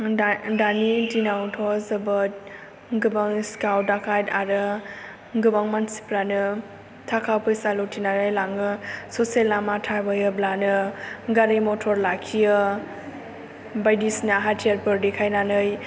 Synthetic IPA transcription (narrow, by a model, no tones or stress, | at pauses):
danidinawtʰɔzɯbɯt̚ | ɡɯbaŋskawdakʰajtaɾɯ | ɡɯbaŋmansi̥pɾanɯ | tʰakʰawpʰɯjsalɔtʰinanɯjlaŋɯsɔselamatʰabajɯblanɯɡaɾimɔtʰɔɾlakʰijɯ | bajdisnɯɦatʰiaɾpɯɾdikʰajnanɯj